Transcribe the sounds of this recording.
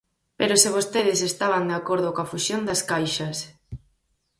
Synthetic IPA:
peɾosɪβost̪eðɪsest̪aβand̪eakoɾðʊkoafusjond̪askajʃɐs

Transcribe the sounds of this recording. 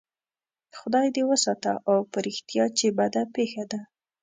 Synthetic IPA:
xʊd̪ɑjd̪ewəsɑt̪aʔawpəɾɪxt̪jɑt͡ʃebad̪apexad̪a

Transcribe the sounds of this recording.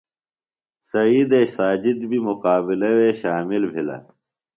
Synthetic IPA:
sɐiːd̪esaːd͡ʑid̪bimuqaːbilɐweːɕaːmilbʱilɐ̰

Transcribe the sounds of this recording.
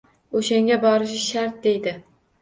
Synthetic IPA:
oʃaŋɡʲabɒɾɪʃɪʃaɾt̪̚d̪e̞jd̪ɪ

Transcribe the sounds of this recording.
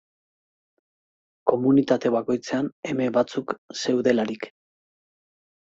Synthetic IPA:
ko̞munit̪at̪e̞βako̞jt͡se̞ane̞me̞βat͡sukse̞wðe̞laɾik

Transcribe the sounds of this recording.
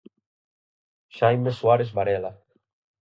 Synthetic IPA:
ʃajmesuaɾezβaɾela

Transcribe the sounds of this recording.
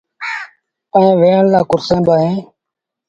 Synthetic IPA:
ẽːʋeːənlaːkʊɾsẽːbaːɦẽː

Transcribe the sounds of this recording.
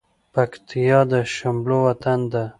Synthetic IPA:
pakt̪ijɑd̪əʃamblowat̪and̪a

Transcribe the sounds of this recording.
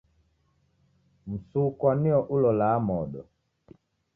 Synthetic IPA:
m̩sukwaniɔʔulɔlamɔɗɔ

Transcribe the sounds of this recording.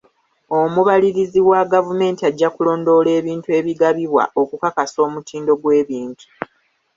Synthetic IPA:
o̞muβaliɾiziwaɡavume̞ːntiaɟːakulo̞ːndo̞le̞ːβiːntue̞ːβiɡaβiβwa̰ʔo̞kukakaso̞ːmutʰiːndo̞ɡwe̞ːβiːntʰu̥

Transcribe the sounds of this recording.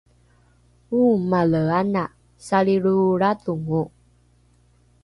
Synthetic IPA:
umaləanaʔ | saliɺuɾatuŋuʔ

